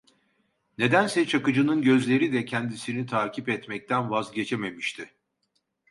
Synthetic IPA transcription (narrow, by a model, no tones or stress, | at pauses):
ne̞d̪ænsɛt͡ʃʰakɯd͡ʒɯnɯnɟø̞zlʲe̞ɾid̪ɛcʰɛnd̪isinit̪ʰaːcʰipɛt̪mɛc̚t̪ʰænvazɟe̞t͡ʃʰeme̞miʃt̪ʰɪ